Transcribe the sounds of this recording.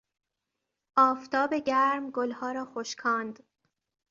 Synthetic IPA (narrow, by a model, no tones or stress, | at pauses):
ʔɒːft̪ʰɒːbeɟæɾmɡolhɒːɾɒːxoʃkʰɒːnd̪